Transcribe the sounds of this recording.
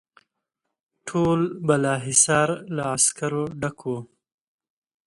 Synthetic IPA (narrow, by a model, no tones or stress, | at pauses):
ʈʰolbalɑːɦɪsɑːɾlaaskaɾoɖakʰo